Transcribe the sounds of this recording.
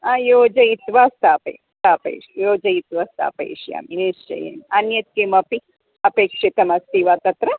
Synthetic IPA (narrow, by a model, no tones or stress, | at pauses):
aːjoːd͡ʒɐit̪ʋast̪aːpɐ̰ | st̪aːpɐ̰ʃjoːd͡ʒɐit̪ʋɐst̪a̰ːpɐ̰ḭʃja̰ːminist͡ʃɐ̰jḛnɐnjɐt̪̚keːmɐpi | ɐpeːkʂit̪ɐmɐst̪iʋaːt̪ɐt̪ɾɐ